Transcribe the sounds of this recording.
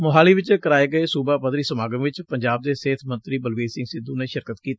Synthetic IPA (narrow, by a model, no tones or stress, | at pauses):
mʊɦaːliːʋɪt͡ʃkəɾaːeːɡəeːsuːbaːpəd̪ɾiːsəmaːɡəmʋɪt͡ʃpəɲd͡ʒaːb̚d̪eːseːt̪ʰmə̃nt̪ɾiːbəlʋiːsɪ̃ŋɡsɪd̪ũːneːʃɪɾkət̪kiːt̪ː